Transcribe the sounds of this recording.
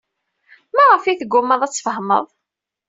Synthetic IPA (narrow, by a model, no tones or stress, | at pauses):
mæʁəfiθəɡːʊmːəðˤæt͡sːfəhmə̰ðˤ